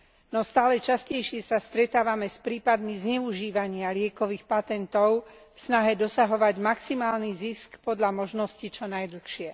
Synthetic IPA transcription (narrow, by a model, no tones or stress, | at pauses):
nɔst̪aːlɛt͡ʃascɛjʃɪɛsast̪ɾɛt̪aːʋamɛspɾiːpad̪mizɲɛuʒiːʋaɲɪalɪɛkɔʋiːxpat̪ɛnt̪ɔʊfsnaɦɛd̪ɔsaɦɔʋaɟmaksimaːlniziskpɔd̪ʎamɔʒnɔscit͡ʃɔnajd̪l̩xʃɪɛ